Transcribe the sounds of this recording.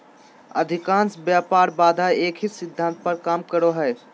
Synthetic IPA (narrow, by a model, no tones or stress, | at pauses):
əd̪ʱikãnsbjapaɾbad̪ʱaekʰisid̪ʱːãnt̪̚pəɾkamkəɾoɦəj